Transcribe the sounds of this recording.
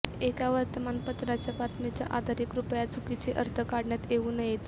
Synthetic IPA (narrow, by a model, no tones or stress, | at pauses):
ekaʋəɾt̪əmanpət̪ɾat͡ɕjapat̪ʰmet͡ɕja̰ʔad̪ʱaɾikɾupjat͡sukit͡seʔəɾt̪ʰəkaɽɳjat̪eʋunəjet̪